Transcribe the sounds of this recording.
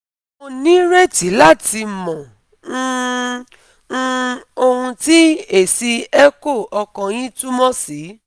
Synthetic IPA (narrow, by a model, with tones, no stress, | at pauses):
o˧nĩ˦ɾe˦˨ti˨˦la˦˨ti˧mɔ̃˨˦˧ | o˧hũ˧ti˦e˦˨si˧ɛ˦ko˦˨ɔ˧kɔ̃˧j̃ĩ˦tu˦mɔ̃˦si˨˦